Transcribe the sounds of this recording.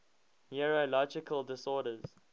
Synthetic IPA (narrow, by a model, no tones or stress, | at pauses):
nɛɹolɔd͡ʒɪkʰəlˠdɪsɔːɾəz̥